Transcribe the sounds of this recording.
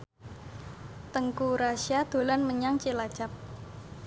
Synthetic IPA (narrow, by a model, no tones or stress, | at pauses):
t̪əŋkuɾasiad̪̥o̤lanməɲaŋt͡ʃilḁt͡ʃap̚